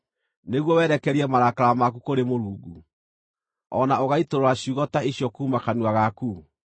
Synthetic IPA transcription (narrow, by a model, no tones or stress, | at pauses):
neɣwɔwɛɾɛkɛɾiɛmaɾakaɾamak̬ukoɾemoɾuːɡṵ | ɔnaoɣaitoɾoɾaɕuɣɔtaiɕjɔkuːmakanwaɣaku